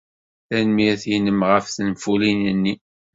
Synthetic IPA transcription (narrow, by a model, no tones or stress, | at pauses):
θænmiθjinəmʁəfθənfulinənːi